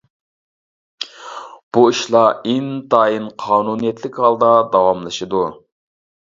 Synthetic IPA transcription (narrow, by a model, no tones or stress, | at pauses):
b̥uiʃlˠɑint̪ʰɑːjinqʰɑːnunijɛt̪ʰlɪkʲhɑlˠd̪ɑd̪ɑwɑmlˠɨʃɨd̪u